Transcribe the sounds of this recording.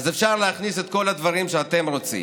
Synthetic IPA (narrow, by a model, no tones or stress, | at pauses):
zefʃaʁleaχniset̪̚ko̞lad̪vaʁimʃeat̪e̞mʁo̞t͡sḭ